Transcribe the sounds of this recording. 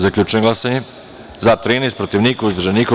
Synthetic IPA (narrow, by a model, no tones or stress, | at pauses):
zakʎʲut͡ʃeŋɡlasaɲe | zat̪ɾinejst̪pɾot̪iʋnikauzd̪ɾ̩rʒeniːko